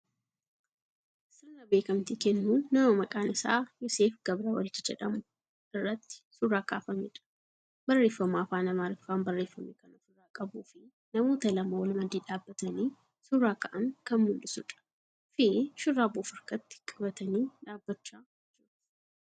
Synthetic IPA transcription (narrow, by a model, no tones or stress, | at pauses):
sɪnːɐbe̞ːkɐmt̪iːkɛnːunɐmomɐkʼaːnɪsa̰ːjɔseːfɡɐbɾawɐ̰lɪt͡ʃːɪd͡ʒɛᶑɐmʊ | ɪrːɐt̪ːɪ̥sʊraːka̰ːfɐmɛ̰ᶑɐ̥ | bɐrːe̞ːfːɐmaːfaːnɐmaːlɪfaːnbɐrːe̞ːfːɐmeːkɐnɔfʊrːaːkʼɐbuːfɪ | nɐmoːt̪ɐlɐmawɐlmɐd̪iːᶑaːbːɐt̪ɐniː | sʊraːkɐʔɐŋkɐnmʊlːɪsʊᶑɐ̥ | fɪʃʊrːaːboːfɐɾkɐt̪ːɪ̥kʼɐbɐt̪ɐniːᶑaːbːɐt͡ʃːaːd͡ʒt͡ʃːuːᶑ